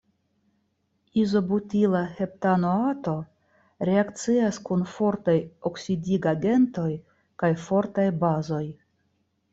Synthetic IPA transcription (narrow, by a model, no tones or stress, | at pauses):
izo̞butilahe̞ptano̞ato̞ | ɾe̞akt͡siaskunfo̞ɾtajoksidiɡaɡe̞nto̞j | kajfo̞ɾtajbazo̞j